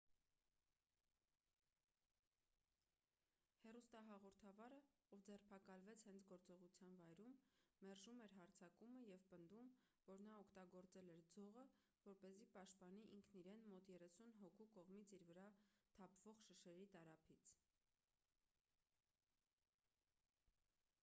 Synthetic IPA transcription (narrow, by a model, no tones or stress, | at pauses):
hɛrust̪ɑɦɑʁɔɾt̪ʰɑvɑɾəɔvd͡zɛrpʰɑkɑlvɛt͡sʰhɛnt͡sʰɡɔɾt͡sɔʁut͡sʰjɑnvɑjɾumːɛrʒumɛɾɦɑɾt͡sʰɑkuməjɛvpənd̪um | vɔɾnɑɔkʰt̪ɑɡɔɾt͡sɛlɛɾd͡zɔʁə | vɔɾpɛzipɑʃt̪̚pɑniʔiŋkʰniɾɛnmɔt̪jɛrɛsunɦɔkʰukɔʁmit͡sʰiɾvəɾɑt̪ʰɑpʰvɔʁʃəʃɛɾit̪ɑɾɑpʰit͡sʰ